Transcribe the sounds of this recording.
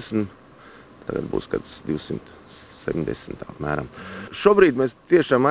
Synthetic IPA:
sn̩ | t̪ʰa̰ɡa̰d̪̚bṵːsɡa̰d̪sd̪iwsimt̪ | sɛ̰pʲɲʲd̪ɛ̰sn̩t̪a̰ːpmæːɾa̰mʃuɔbɾiːd̪meːst̪iɛʃaːma

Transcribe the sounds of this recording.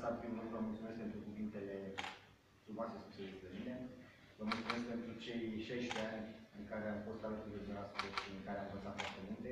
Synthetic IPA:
saviumovəmult̪sume̞skpe̞nt̪ɾukuvint̪e̞le̞ | fɾumoase̞sku̥sed̪est̪ɾemine̞ | vəmult̪sume̞sk̚pe̞nt̪ɾut͡ʃe̞jʃajʃt̪eanʲɨŋkaɾeamfo̞st̪alət̪ud̪ed͡ʒenasu̥p̪ek̪iɨŋkaɾeamvənsat̪fowart̪e̞mult̪e̞

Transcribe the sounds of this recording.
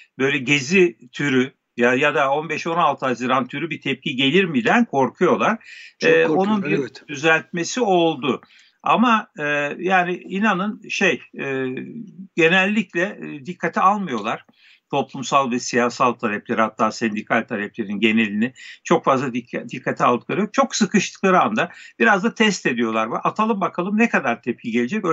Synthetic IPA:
bø̞jlʲɛɟezit̪ʰyɾy | jajad̪ao̞nbɛʃo̞nalˠt̪ʰɯɦazɯɾant̪ʰyɾybit̪ʰɛp̚cʰiɟe̞lʲiɾmid̪ænkʰo̞ɾkʰujo̞lˠaɾ̥ɛːo̞nunbiɾd̪yzælʲt̪̚me̞sio̞lˠd̪ʊ | a̰maːjaːniinanɯnʃe̞jɛːɟe̞nɛlʲːiclʲɛd̪ikʰːat̪ʰialˠmɯjo̞lˠaɾ̥ | t̪ʰo̞plˠumsalˠvɛsijaːsalˠt̪ʰalʲɛplʲeɾihat̪ʰːaːsɛnd̪ikʰalʲt̪ʰalʲɛplʲe̞ɾinɟe̞ne̞lʲinɪt͡ʃʰo̞kfazlˠad̪id̪ikʰːat̪ʰia̰lˠd̪ɯk̚lˠaɾɯjok̚t͡ʃʰo̞ksɯkʰɯʃlˠɯ̥klˠaɾɯand̪ab̥iɾazd̪at̪ʰɛst̪e̞d̪ijo̞lˠaɾvɛʔat̪ʰalˠɯmbakʰalˠɯmnɛkʰad̪aɾt̪ʰɛp̚cʰiɟelʲid͡ʒɛcø

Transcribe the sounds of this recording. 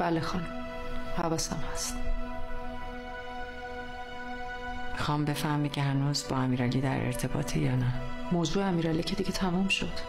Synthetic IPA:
b̥ælexɒn | hævɒːsæ̰mhæst̪ | mixɒːmbe̞fæhmicʰehænuːzbɒːæmiːɾæliːd̪æɾḛɾt̪ʰe̞bɒːt̪ʰejɒːnæmoːzuːeæmiːɾæliːcʰe̞d̪iɟet̪ʰæmumʃo̞d̪̥

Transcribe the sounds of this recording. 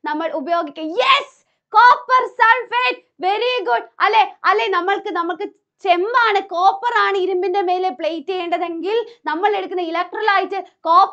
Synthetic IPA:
nɐmːɐɭʊbɐjoːɡɪkʲːɐjɛs | koːpːɐɾsɐlfeːʈ | ʋɛɾiɡʊɖ̚ʔɐlːeɐlːenɐmːɐɭkɯnɐmɐkːɯ | t͡ʃɛmbaːnɐkoːpːɐɾaːɳɨɪɾɯmbɪndɐmeːlepɭejtːeːɳɖɐðɛŋɡɪlnɐmːɐɭɛɽɯkːɯnɐɪlɐk̚ʈɾɐlaːjɪʈːɯkoːp

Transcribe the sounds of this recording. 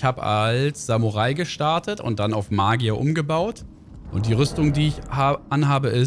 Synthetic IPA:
haːbəʔalsz̥amuʁaɪɡəʃtaɐtətʊ̰nt̚d̥anaʊfmaːɡiaʔʊmɡəbaʊt | ʔʊnt̚d̥iːʁʏstʊŋdiːɪçaʔanɦaːbəʔɪ

